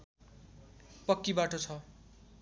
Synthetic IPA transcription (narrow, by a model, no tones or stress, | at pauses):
pʌkːibaʈot͡sʰʌ